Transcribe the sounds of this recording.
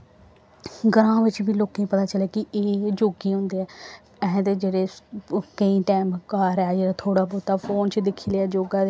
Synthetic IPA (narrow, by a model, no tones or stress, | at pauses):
ɡəɾãːʋɪt͡ʃbiːloːkẽĩːpət̪aːt͡ʃəleːkɪeːd͡ʒoːɡiːɦʊ̃nd̪eːɛː | ɛɦɛ̃d̪eːd͡ʒeːɽeːkəĩːʈɛːmkaːɾɛaːd͡ʒeːɾeːt̪ʰoːɽaːpoːt̪aːfʰoːnt͡ʃd̪ɪkʰːiːlɛːd͡ʒoːɡãːe